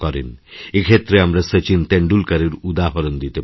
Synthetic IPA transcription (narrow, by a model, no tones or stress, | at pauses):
kɔɾḭnekʰet̪ɾeamɾasət͡ɕint̪ẽɳɖulkəɾiɾud̪aɦɔɾɔnd̪it̪e